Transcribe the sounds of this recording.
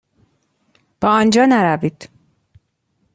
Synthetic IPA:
b̥ɒːɒnd͡ʒɒːnæɾæviːd̪̥

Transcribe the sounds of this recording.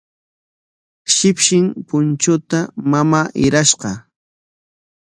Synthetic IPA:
ʃɪpʃɪŋpʊnt͡ʃʊt̪amamaːʔɪɾaʃqɑ

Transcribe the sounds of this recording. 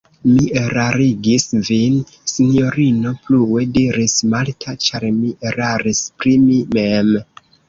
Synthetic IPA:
mieɾaɾiɡisvin | sinjo̞ɾino̞pluwediɾismaltʰat͡ʃaɾmiʔeɾaɾispɾimimem

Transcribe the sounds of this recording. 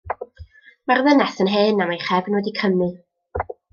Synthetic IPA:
marðənɛθənɦeːnamajχɛvnwɛdikʰəmɨ

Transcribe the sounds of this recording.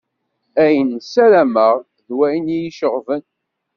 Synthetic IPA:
æjənsælæməʁ | ðwæjnijiʃəʁvən

